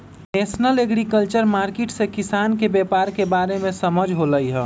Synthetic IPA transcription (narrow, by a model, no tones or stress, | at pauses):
neːsnəleɡɾikəlt͡ʃəɾmaːɾkeʈsekɪsaːnkebepaːɾkebaːɾemẽsəməd͡ʒʱɦoləiɦɛː